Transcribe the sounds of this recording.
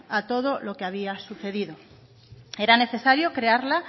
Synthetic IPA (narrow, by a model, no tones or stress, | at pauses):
at̪o̞ð̞olo̞keaβ̞iasuθe̞ðiðo̞ | e̞ɾane̞θe̞saɾjo̞kɾeaɾla